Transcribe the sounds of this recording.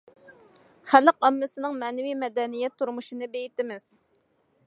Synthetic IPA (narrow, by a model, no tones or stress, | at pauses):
χæləqɑmːɪsɨnɨŋmɛːnɪvijmɛd̪ɛnijɛt̪ʰːuɾmuʃinɨbejit̪ɪmɪz̥